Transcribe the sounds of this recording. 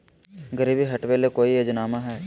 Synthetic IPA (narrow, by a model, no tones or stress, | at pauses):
ɡəɾiːbiɦɐʈʋeːlekoːijod͡ʒnaːmaɦɛː